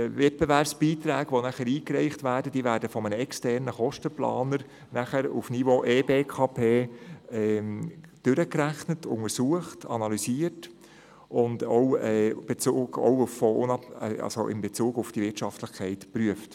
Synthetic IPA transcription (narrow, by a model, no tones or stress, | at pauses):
vɛt̚b̥evæɾpsb̥iːtɾæːɡʋonæχəɾiːkɾɛɪχtʋæːɾdəd̥iːʋæːɾdəfɔmənəɛkstɛɾnəχɔʃtəplɑ̰ːnəɾ | næχəɾṵfnivoʔeːbeːkʰɑːpʰeː | d̥ʏɾəkɾæχnətʊ̰ŋəɾsuəχtɑnɑlysiət | ʔʊndɔwɛːb̥et͡suːɡɔ̰wufɔʊnɑɛ̰ɑ̰so̰ʔɪ̰mbet͡suːɡufd̥iʋɪtʃɑftləχkʰɛɪtpɾyəft